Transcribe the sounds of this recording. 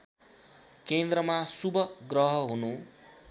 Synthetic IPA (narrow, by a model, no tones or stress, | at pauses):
kend̪rʌmasubʱʌɡrʌɦʌɦunũ